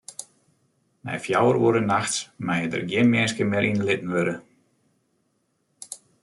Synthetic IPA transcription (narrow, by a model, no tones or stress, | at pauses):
mɛ̰jfjawəɾuəɾənaxtsmajədə̰rɡjɪnmɪnskəmɪəɾʔinlɪtn̩ʋøɾə